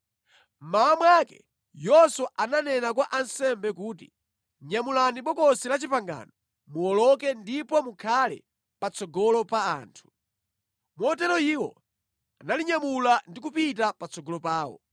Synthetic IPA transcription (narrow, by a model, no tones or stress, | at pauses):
m̩maamwakɛ̰ | jɔsɔʔananɛnakwaʔansɛmbɛk̬uːt̬i | ɲamulaniɓɔkɔsilat͡ʃipaŋɡa̰ːnɔ | muɔlɔk̬ɛndipɔmukʰalɛ̰ | pat͡sɔɡɔlɔpaaːntʰu̥ | mɔtɛɾɔiːwɔ̰ | analiɲamulandikupit̬apat͡sɔɡɔlɔpaːwɔ̰